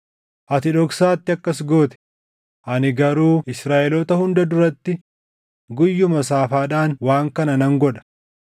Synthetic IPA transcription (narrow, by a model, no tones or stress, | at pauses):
ʔɐt̪ɪᶑɔksaːt̪ːɪɐkːɐsɡoːt̪ɛ̥ | ʔɐnɪɡɐɾuːʔɪsɾaːʔɛlɔːt̪ɐhʊnd̪ɐd̪ʊɾɐt̪ːɪ | ɡʊjːʊmɐsaːfaːᶑaːnwaːŋkɐnɐnɐŋɡɔᶑɐ̥